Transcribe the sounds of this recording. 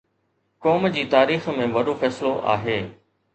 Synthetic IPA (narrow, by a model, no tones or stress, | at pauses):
kɔːmd͡ʑiːt̪aːɾiːxmẽʋɐɗofɛːsɪloʔa̰ːɦeː